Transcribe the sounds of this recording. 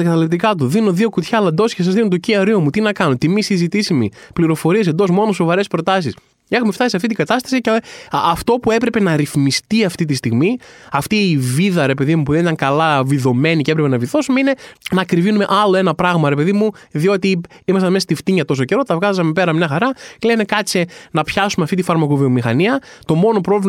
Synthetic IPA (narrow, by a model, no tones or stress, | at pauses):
ɐɡɐt̪ɐlep̚t̪ikɐt̪̬uðino̞ðio̞kut̪çɐlɐnd̪o̞sces̬ɐzðinot̪ociɐɾiomut̪inɐkɐnot̪imisizit̪isimipliɾo̞fo̞ɾiesed̪o̞smo̞no̞so̞vɐɾe̞spɾo̞t̪ɐs̬is | e̞xume̞ft̪ɐsisɐft̪it̪iŋɡɐt̪ɐst̪ɐ̥siceɐft̪o̞pue̞pɾe̞pe̞nɐɾiθmist̪iɐft̪it̪̬ist̪iɣmiɐft̪iːviðɐɾe̞pe̞ðimupuðenit̪ɐŋkɐlɐviðo̞me̞nicee̞pɾepe̞nɐviθo̞sumeine̞nɐːkɾivinume̞ʔɐlo̞e̞nɐpɾɐɣmɐɾe̞pe̞ðimu | ðio̞t̪i | imɐst̪ɐnmest̪ift̪iɲɐt̪o̞s̬oce̞ɾo̞t̪ɐvɣɐzzɐmepe̞ɾɐmɲɐxɐɾɐlene̞kɐsenɐpçɐsumeɐft̪it̪ifɐɾmɐkovio̞mixɐniɐt̪o̞mo̞no̞pɾo̞v